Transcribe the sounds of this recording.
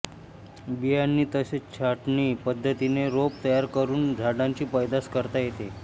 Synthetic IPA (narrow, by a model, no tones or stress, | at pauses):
bijanːiːt̪əɕet͡ɕʰaʈɳiːpəd̪ʱːət̪ineɾopt̪əjaɾkəɾuːnd͡zʱaɽaɲt͡ɕiːpəjd̪askəɾt̪ajet̪e